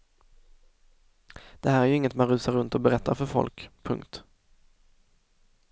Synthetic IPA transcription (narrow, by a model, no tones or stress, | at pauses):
d̪̥ɛhæːɾæɾjɵɪŋːət̪manɾʉ̟ːsaɾɵnt̪ɔbɛɾɛt̪ʰːa̰ɾfœɾfɔ̰lkpʰɵ̰ŋkt̪